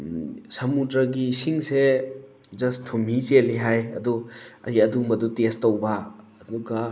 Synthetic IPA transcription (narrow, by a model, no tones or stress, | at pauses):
sɐmudɾɐɡisiŋse | d͡ʒɐstʰumiseliɦajɐ̰duɐ̰iɐdumɐdutestːɐwbɐː | duɡɐ